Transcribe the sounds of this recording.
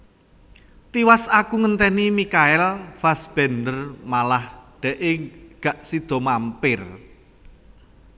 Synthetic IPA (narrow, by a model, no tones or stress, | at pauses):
t̪iwasakuŋənt̪ɛnimikaɛlfasb̥ɛnd̪ərmalahɖ̪̥ɛ̤ʔɪɡ̥a̤ʔsid̪̥ɔ̤mampɪr